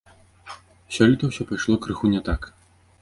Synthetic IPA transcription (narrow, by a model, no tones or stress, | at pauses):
sʲɔlʲit̪ɐwsʲɔpajʂlˠɔkɾɨxunʲɛt̪ak